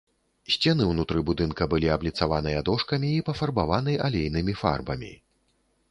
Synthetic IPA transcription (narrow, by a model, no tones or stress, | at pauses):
sʲt͡sʲɛnɨwnut̪ɾɨbud̪ɨnkɐbɨlʲiɐblʲit̪savanɨjɐd̪ɔʂkɐmʲiːpɐfɐrbavanɨjʔalʲejnɨmʲifa̰rbɐmʲḭ